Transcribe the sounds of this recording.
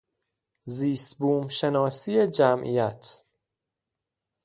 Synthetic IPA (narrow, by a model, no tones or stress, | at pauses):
ziːst̪buːmʃe̞nɒːsiːjed͡ʒæmʔḭːjæt̪ʰ